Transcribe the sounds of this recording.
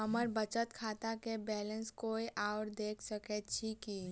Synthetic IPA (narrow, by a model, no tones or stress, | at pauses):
ɦəməɾbət͡ʃət̪kʰaːt̪akebɛːlə̃nskoːiʔaʊɾd̪eːkʰsəkɛt͡ʃʰiki